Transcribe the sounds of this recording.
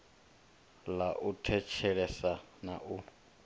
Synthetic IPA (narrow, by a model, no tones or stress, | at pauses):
laʔutʰɛt͡ʃʰɛlɛsanaʔu